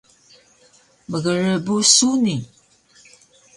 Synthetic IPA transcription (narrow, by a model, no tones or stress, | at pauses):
məɣəɻəbusuni